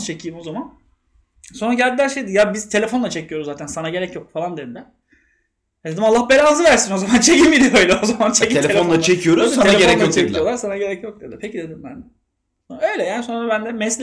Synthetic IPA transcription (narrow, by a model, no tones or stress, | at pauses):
t͡ʃʰe̞cʰiːmo̞zaman | so̞nɾaɟælʲd̪ilʲæɾʃejd̪ijabiz̥t̪ʰe̞lʲe̞fonˠat͡ʃʰe̞cʰijoɾuzzaːt̪ʰænsanaɟe̞ɾɛcjok̚falˠand̪ed̪id̪ɛ | dd̪e̞d̪imalˠːahbelaːzɯvæɾsino̞zamant͡ʃʰe̞cʰimbid̪iø̞jlʲɛozamant͡ʃʰecielʲenlˠat͡ʃʰecʰijo̞ɾuzsaaeeɾɛt͡ʃek̪ijolˠaɾsanaɟe̞ɾɛcjok̚d̪ed̪iɛpecid̪e̞d̪imbænd̪ɛ | sonaø̞jlʲɛjaːniso̞nɾabænd̪ɛmɛslʲ